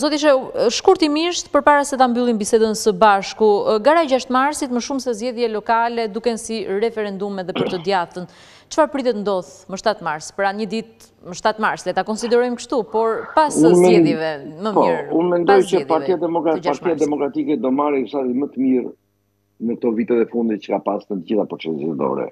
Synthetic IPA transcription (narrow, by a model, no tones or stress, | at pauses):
zɔt̪iʃ̬ɛʃkuɾt̪imiʃt̪pəɾpaɾasɛt̪ambylˠinbisɛd̪ənsəbaʃkuɡaɾaɛd͡ʒaʃt̪maɾsit̪məʃumsɛzd͡ʒɛðjɛlɔkalɛd̪ukɛnsiɾɛfɛɾɛnd̪umɛðɛpəɾt̪əd̪jat̪ən | t͡ʃə̥faɾpɾit̪ɛt̪nd̪ɔθməʃt̪at̪maɾspɾaɲəd̪it̪̚ | məʃt̪at̪maɾslɛt̪akɔnsid̪ɛɾɔjmkəʃt̪upɔɾpasuzmɛðɛvɛməmpɔɾunmɛnd̪ɔjcəɛpaɾt̪ijad̪ɛmɔɾapaɾt̪ijad̪ɛmɔkɾat̪ikɛd̪ɔmaɾɛusat̪imət̪əmiɾ | nək̚t̪ɔvit̪ɛðɛfund̪it̪̚t͡ʃə̥kapasnət̪əɟiθapɾɔt͡ʃɛzɛ̰d̪ɔ̰ɾɛ̰